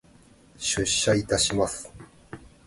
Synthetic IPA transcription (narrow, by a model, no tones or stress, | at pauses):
ɕɨɕːait̪aɕimasɨ̥